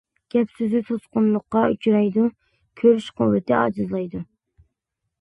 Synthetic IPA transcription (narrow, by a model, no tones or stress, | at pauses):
ɡ̥ʲɛpsyzɪt̪ʰosqʊnlˠʊqːɑyt͡ʃʰɾɑjd̪u | kʲʰøɾyʃqʊwːɪt̪ʰɪɑ̰d͡ʒɨzlˠɑjd̪u